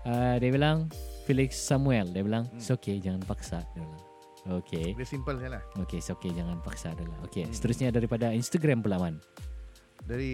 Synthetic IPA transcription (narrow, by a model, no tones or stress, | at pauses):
ədiabilaŋfilɪksːamuɛldiabilaŋsoked͡ʒaŋanpaksadiabilaŋ | okʰedsimpəlslahokesoked͡ʒaŋanpaksaːdalahokesə̥t̪əɾusɲadaɾipadainst̪aɡɾampulaman | daɾi